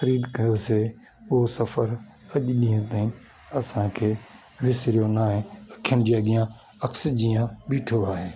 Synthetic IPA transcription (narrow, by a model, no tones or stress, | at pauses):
xəɾiːd̪kɐjoːseː | ʊɦosəfəɾ | əʄɗiːə̃t̪aːĩː | ɐsãːkʰeː | ʋɪsɾɪjoːnaːɦẽəkʰːjəɳd͡ʒijaːɡɪjãː | ɐksd͡ʒiːjãːɓiːʈʰoaːɦeː